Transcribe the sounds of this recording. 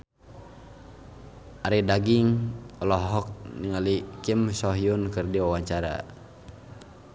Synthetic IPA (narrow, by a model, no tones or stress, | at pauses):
ʔaɾidaɡiŋɔlɔɦɔk̚niŋalikimsɔɦiunkɨrdiwawaɲt͡ʃaɾa̰